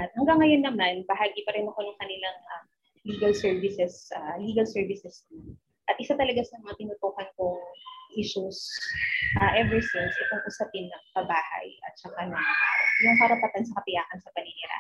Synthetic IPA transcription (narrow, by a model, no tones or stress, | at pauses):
ʔɐt̪̚hɐŋɡaŋːɐjo̞nːɐmanbɐɦaːɡipɐɾɛnɐkonʊŋkɐnɪlaŋʔam | liːɡɐlsɛɹvɪsɛsʔaliːɡɐlsɛɹvɪsɛso | ʔɐt̪ʔɪsat̪ɐlɐɡasɐmɐŋat̪ɪnʊt̪uːhɐnkoŋʔiʃʊs | ʔaːʔɛvɛɹsɪnsʔɪt̪oŋʔʊsɐpɪnːɐŋkɐbaːhɐ̰jɐ̰t̪̚t͡ʃɐkanɐjʊŋkɐɾɐpɐt̪ansɐkɐp̪ɪjaːkɐnsɐpɐnɪniɾa̰